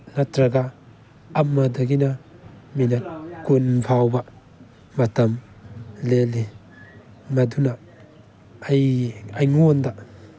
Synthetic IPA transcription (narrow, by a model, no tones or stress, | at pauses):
natɾaɡaː | mːad̪aɡinaminakunbʰʱawba | mat̪am | leli | mad̪una | ajajŋɔnd̪a